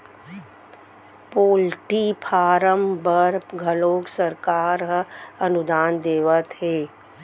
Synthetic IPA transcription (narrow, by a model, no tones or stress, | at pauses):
poːlʈipʰaːɾəmbəɾpɡʱɐloːksəɾkaːɾɦɐnʊd̪aːnd̪eːʋət̪ɦeː